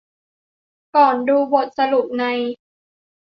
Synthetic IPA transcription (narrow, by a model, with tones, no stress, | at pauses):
kɔː˨˩nduː˧bo˨˩t̪̚sa˧lu˨˩p̚na˧j